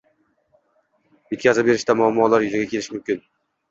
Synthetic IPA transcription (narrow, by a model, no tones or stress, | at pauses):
et̪ʲkʲazɪbe̞ɾɪʃt̪amʊamːɒlaɾjʊzaɡʲakʲelɪʃmʊmkʲɪn